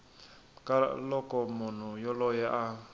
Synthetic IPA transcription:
kʼalɔkʼɔmʊn̤ujɔlɔjɛʔa

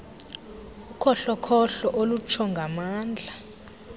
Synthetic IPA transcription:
ukʰɔɬɔkʰɔɬɔʔolut͡ʃʰɔŋɡʱamaːnd͡ɮʱa

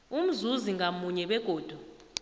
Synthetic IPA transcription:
um̩zuziŋɡamuɲɛɓɛɡ̥ʱoːd̥ʱu

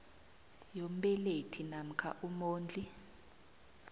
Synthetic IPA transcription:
jom̩ɓɛletʰinam̩kʰa̰ʔumoːnd͡ɮʱi

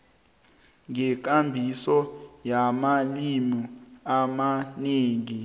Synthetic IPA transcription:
ŋɛk̬ambʱisɔjamalimuamaneːŋi

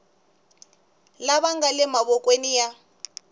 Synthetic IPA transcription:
laβaŋɡalɛmaβɔkʼwenija

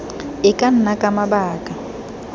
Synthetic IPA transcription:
ɪkʼan̩nakʼamabaːkʼa

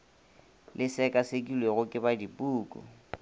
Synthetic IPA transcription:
lʔɪsɛkʼasekʼilweɣʊkʼɪbadipʼuːkʼṵ

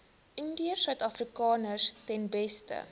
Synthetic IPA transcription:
ʔəndiərsœɥtɑfrikɑːnərstɛnbɛstə̰

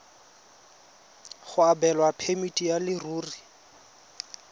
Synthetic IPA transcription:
χʊabɛlwapʰemitʼijalɪruːri

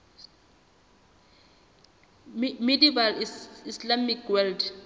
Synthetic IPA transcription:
medivaliislamikʰwɛld

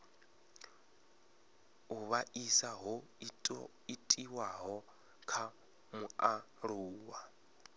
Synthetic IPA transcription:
uβaʔisaɦɔ | itʼiwaɦɔ | kʰa | mua | ruːwa

